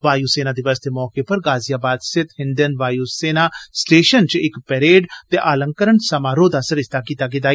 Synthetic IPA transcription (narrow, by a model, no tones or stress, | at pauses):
ʋaːjuːseːnaːd̪ɪʋəst̪emɔːkepɐɾɡaːzɪjaːbaːd̪sɪt̪hɪ̃nd̪ənʋaːjuseːnaːsʈeːʃənt͡ʃɪkpɛɾeːɖt̪eʔaːlə̃ŋkəɾəɳsɐmaːɾoːd̪asəɾɪst̪akiːt̪aːɡ̬ɪd̪aː